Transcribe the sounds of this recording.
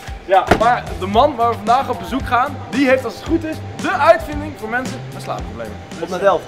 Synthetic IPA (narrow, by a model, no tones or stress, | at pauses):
maːɹdəmɑnʋaːɹʋəvɑndaːχɔb̚bəzukχaːndiɦejftɑlˠsətχutɪsdəʔœɥtfɪndɪŋvʊːɹmɛnsənmɛsla̰ːproblḛjmə̰nɔtnatɛlˠf